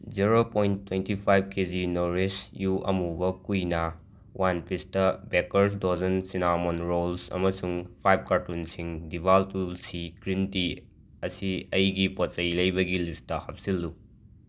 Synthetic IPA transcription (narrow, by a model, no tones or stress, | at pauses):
d͡ʒiɾopojntʰːwentipʰajb̚kezinoɾesjuʔɐ̰mubɐkujnɐ | wʔanpistɐbekɐɾs̬dozɐnsinamonɾolsɐ̰mɐsuŋpʰajb̚kaɾtunsiŋdibaltulsikɾinti | ɐsiɐjɡipot͡ʃɐjlɐjbɐɡilistːɐhɐp̚silːu